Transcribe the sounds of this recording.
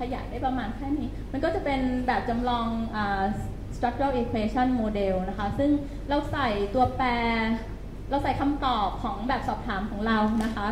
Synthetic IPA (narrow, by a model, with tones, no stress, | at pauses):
kʰa˧ja̰˨˩k̚da˥˩jpɾa˧maː˧nkʰɛː˥˩niː˦˥ma˧nkɔː˥˩t͡ɕa˨˩pe˧nbɛː˨˩p̚t͡ɕa˧mlɔː˧ŋʔaː˨˩ | st̪ɾa˦˥k̚ɾa˥˩ʔi˧kʰweː˧t͡ɕʰɔ˥˩nmoː˧de˧wna˦˥kʰa˦˥sɯ˥˩ŋ | ɾa˧wsa˨˩jt̪u˧ɐpɛː˧ | ɾa˧wsa˨˩jkʰa˧mt̪ɔː˨˩p̚kʰːɔː˩˦ŋbɛː˨˩p̚sɔː˨˩p̚t̪ʰaː˩˦mkʰɔː˩˦ŋɾa˧wna˦˥kʰa˦˥